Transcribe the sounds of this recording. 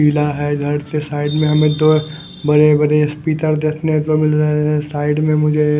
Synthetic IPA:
iːlaɦɛd̪ʱɐɽt̪esaːɪɖmẽɦɐmẽt̪o | bɐɾebɐɾespiːt̪əɾd̪eːkʰneɦɛ̃t̪omɪlɾɐɦeɦɛ̃saːɪɖmẽmʊd͡ʒʱe

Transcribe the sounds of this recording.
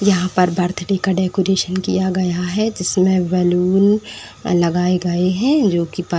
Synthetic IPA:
jɐɦãpɐɾbɐɾt̪ʰɖeːkaɖeːkoːɾeːʃənkḭjaɡɐjaɦɛd͡ʒɪsmẽʋɛluːn | lɐɡaːeɡɐeɦɛ̃d͡ʒoːkipa

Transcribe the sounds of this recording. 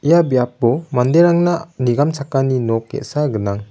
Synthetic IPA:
ijabijap̚bɔmand̪eɾaŋnaniɡamsʰakːaninɔkːḛʔsaɡɯnaŋ

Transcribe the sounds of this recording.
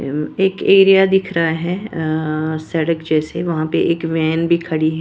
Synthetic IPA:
eːkeːɾijad̪ɪkʰɾaaɦɛː | sɛːɽəkd͡ʒɛːseʋɐɦãpeʔeːkʋɛːnbʱikʰɐɽiɦɛ

